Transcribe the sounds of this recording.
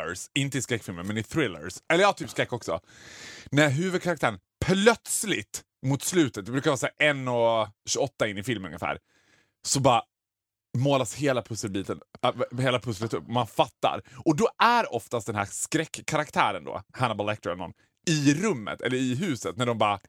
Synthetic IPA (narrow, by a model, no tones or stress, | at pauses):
əsɪnt̪əɪskɾɛkːfɪlmənmɛnɪθɾɪlːə̰ɾsɛlːəɾat̪ʰyːpskɾɛkːɔksɔ̰ | næɾɦʉ̟ːvɵd̪̚kʰaɾak̚t̪æːɾən | pʰlœt̪slɪt̪ | mʊt̪slʉ̟ːt̪ət̪̚d̪ɛbɾʉ̟kaɾvɑːsæːʔɛnːɔɕʉɔt̪ːaɪnːɪfɪlmnɵ̰ŋəfæ̰ːɾ | sɔbɑːɾa | moːlasheːlapʰɵsːəlbiːt̪ə̰nheːlapʰɵslət̪ɵpːɔmanfat̪ːa̰ɾʔɔd̪ɔʔæɾɔft̪ast̚d̪ɛnɦæ̰ːskɾɛkʰːaɾakt̪ʰæːɾənd̪o̰ːhanabalɛk̚t̪əɾɛlnɔ̰nː | ɪɾɵmːə̰t̪ʰɛ̰lːəɾɪɦʉ̟ːsət̪næɖɔmbɑːɾa